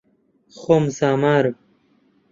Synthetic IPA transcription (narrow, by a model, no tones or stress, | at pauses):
xomsaːmaːɾ